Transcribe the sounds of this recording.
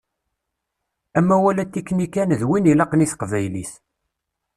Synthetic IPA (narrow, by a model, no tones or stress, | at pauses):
æmːæwælæt̪ːikːnikːænðwinilɑqniθqvæjliθ